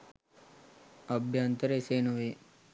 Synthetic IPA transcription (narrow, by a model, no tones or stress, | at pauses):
ɐbʱjaːnt̪əɾeseːnuʋe